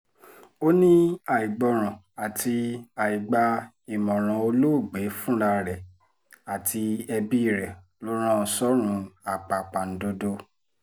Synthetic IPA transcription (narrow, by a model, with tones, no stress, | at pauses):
o˦nĩ˦a˨i˨ɡ͡bɔ˧˦ɾ̃ã˨ | a˨tʰi˧a˨i˨ɡ͡ba˧ | i˨mɔ̃˨ɾ̃ã˨˦o˧lo˦˨ɡ͡be˨˦fũ˦ɾa˧ɾɛ˨ | a˨ti˧ɛ˧bi˦˨ɾɛ˨ | lo˦ɾ̃ã˦ɔ˧sɔ˦ɾ̃ũ˧˦a˨k͡pa˨k͡pa˨n̩˨˦do˧do˧